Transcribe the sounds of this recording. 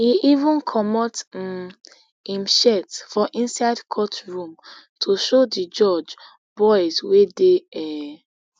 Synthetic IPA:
iivũnkʰɔmɔt̩ | ĩmʃɛtfɔʔĩnsaɪdkʰɔtɹũm | tʰoʃodid͡ʒɔd͡ʒ | b̥ɔɪzwedeɛ

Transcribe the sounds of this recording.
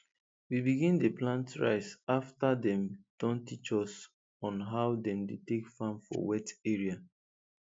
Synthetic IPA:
wibiɡĩndeplãntɹa̰ɪsaftadɛ̃md̥ɔ̃ntit͡ʃɔs | ɔ̃nɦaʊdɛ̃mdetekfãmfɔ̰wɛtɛɹia

